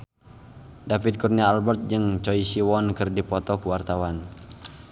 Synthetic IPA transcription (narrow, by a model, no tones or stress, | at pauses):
dafid̚kurniaːlbɛrt̪̚d͡ʒəŋt͡ʃɔisiwɔnkərdipɔt̪ɔkuwart̪awan